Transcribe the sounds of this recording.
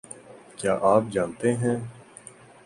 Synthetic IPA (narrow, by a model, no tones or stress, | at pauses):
kja̰ːʔaːp̚d͡ʒaːnt̪eɦɛ̃ː